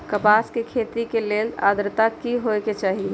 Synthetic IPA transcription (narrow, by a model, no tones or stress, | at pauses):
kəpaskekʰet̪ikelela̰d̪ɾt̪akiɦojket͡ʃaːɦi